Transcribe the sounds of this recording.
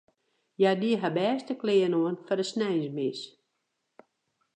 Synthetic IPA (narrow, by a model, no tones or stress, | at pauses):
jadiəɦabɛːstəklɪənoənfɔrdəsnɛjnzmɪs